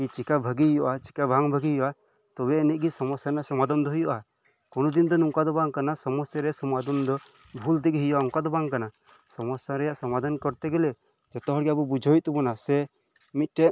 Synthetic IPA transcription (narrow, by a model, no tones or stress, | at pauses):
kit͡ʃikabʱəɡijɔʔat͡ʃi̥kabʱaŋbʱəɡiɦjɔʔa | t̪ɔbɛːnit̪̚ˀɡisɔmɔsjanasɔmad̪ɔmd̪ɔɦujɔʔa | kɔnɔd̪ind̪ɔnuŋkad̪ɔbaŋkanasɔmɔsjaɾɛjaʔsɔmad̪ɔnd̪ɔ | bʱuld̪ɛɡiɦujɔʔaɔŋkad̪ɔbaŋkana | sɔmɔsjaɾɛjaʔsɔmad̪ʱankɔɾt̪ɛɡɛlɛ | d͡ʒɔt̪ɔɦɔɽɡabubud͡ʒʱɔjt̪ɔbɔnasɛ | mit̪̚ˀʈɛ